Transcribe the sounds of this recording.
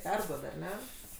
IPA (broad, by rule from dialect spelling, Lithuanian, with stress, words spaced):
ˈpʲɛrduɔt ɐr ˈnʲɛ